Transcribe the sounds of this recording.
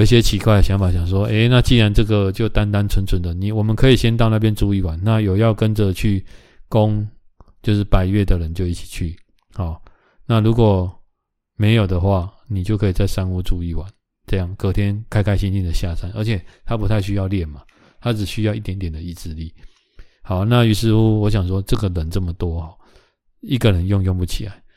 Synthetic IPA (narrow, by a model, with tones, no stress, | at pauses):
i˥˩ɕ̬jɛ˦˥t͡ɕʰi˧˥kwa˥˩ɪɕjɑ˧˥ŋfa˨˩ŋɕjɑ˨˩ŋʂ̬wɔ˦˥ʔe˥˩ɪna˥˧t͡ɕi˥˩ɻa˧˦nʈ͡ʂɤ˥˩ɡə˨t͡ɕjo˥˩ʊt̪a˦˥nt̪a˦nt͡sʰwə˧˥nt͡sʰwə˨˦nd̪ə˨ni˨wɔ˨˩mə˨nkʰɤ˧˦˥i˨˩ɕjɛ˦nt̪̬ɑ˥˧ʊna˥˧p̬jɛ˦nʈ͡ʂu˥˧i˥˩wa˨˦nːa˥˨jo˨˩ʊjɑ˥˩ʊkə˦˥nʈ͡ʂə˨t͡ɕʰy˥˩ | ko˦ŋ | t͡ɕjo˥˧ʊʂɻ̩˥˩pa˨˩ɪɥɛ˥˩d̪ə˨ɻə˧˦nt͡ɕjo˥˧ʊi˥˩t͡ɕʰi̥˨˩t͡ɕʰy˥˩ | hɔ˨˩˦ | na˥˩lu˧˥kwɔ˨˩ | me˧˥ɪjo˨˩ʊd̪ə˨xwa˥˩ni˨t͡ɕjo˥˩ʊkʰɤ˧˥i˨˩t͡sa˥˩ɪʂa˥˦nu˥˧ʈ͡ʂu˥˧i˥˩wa˨˦n | ʈ͡ʂɤ˥˧jɑ˥˩ŋkɤ˨˩t̪ʰjɛ˦˥nkʰa˥ɪkʰa˥ɪɕi˥˦nt͡ɕi˥˩nd̪ə˩ɕja˥˨sa˥nə˞˧˥t͡ɕʰjɛ˨˩t̪ʰa˦pu˧˥t̪ʰa˥˩ɪɕy˥jɑ˥˧ʊljɛ˥˩nma˨ | t̪ʰa˦˥ʈ͡ʂɻ̩˨˩ɕy˦˥jɑ˥˧ʊi˥˩t̪jɛ˧˥nt̪jɛ˨˩nd̪ə˨˩i˥˧t͡sɻ̩˥˧li˥˩ | ha˨˦ʊna˥˨y˨˩ʂɻ̩˥˧u˥˦wɔ˧˦ɕ̬jɑ˨˩ŋʂwɔ˦ʈ͡ʂɤ˥˨˩ɡə˨lə˨˦nʈ͡ʂə˥˩mə˩t̪wɔ˦xɔ˥˩ | i˥ɡə˨ɻə˨˦njɔ˥˧ŋjʊ˥˧ŋpu˥˩t͡ɕʰi˨la̰˨˦ɪ